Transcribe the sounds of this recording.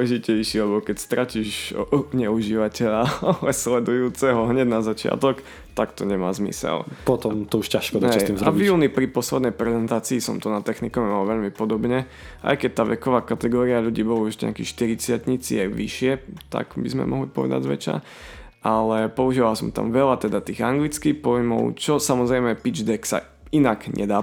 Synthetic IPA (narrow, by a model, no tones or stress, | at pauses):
ɛʒicɛjʃiːlɛbɔkɛcst̪ɾaciːʒɲɛuʒiʋacɛʎaɛslɛd̪ujuːt͡sɛɦɔɦɲɛɟnazat͡ʃɪa̰t̪ɔk | t̪akt̪ɔɲɛmaːzmḭsɛ̰lpɔt̪ɔmt̪ɔuʃcaʃkɔd̪aɦɛsj̪imzavvjuːnipɾipɔslɛd̪nɛjpɾɛzɛnt̪aːt͡siːsɔ̰mt̪ɔnat̪ːɛxnikɔmimalʋɛʎmipɔd̪ɔbɲɛ | ʔa̰jkɛc̚t̪aːʋɛkɔʋaːkat̪ɛɡɔːɾiaʎuɟiːbɔluʒɲɛ̰akiʃt̪iɾit͡sɪatɲit͡siɛɡʋiʃɪɛt̪a̰ɡbizmɛ̰mʔɔɦlipɔʋɛ̰d̪a̰ɟzʋɛ̰t͡ʃa̰ | ʔalɛpɔuʒiːʋalsɔmt̪a̰mʋɛlat̪ɛd̪at̪iːɣaŋɡlit͡skixpɔjmɔ̰ʊt͡ʃɔsamɔzɾɛjmɛpid͡ʒd̪ɛksa̰ | inaɡɲʔɛ̰d̪aː